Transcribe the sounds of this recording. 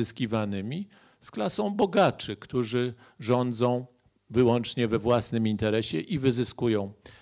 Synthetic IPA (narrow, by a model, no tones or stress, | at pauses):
ɘskʲivanɘmʲi | sklasɔ̃w̃bɔɡat͡ʂɘkt̪uʐɘ | ʐɔnd̪zɔ̃w̃ | vɘwɔnt͡ʂɲɛvɛvwasnɘmint̪ɛɾɛɕɛʔivɘzɘskujɔ̃w̃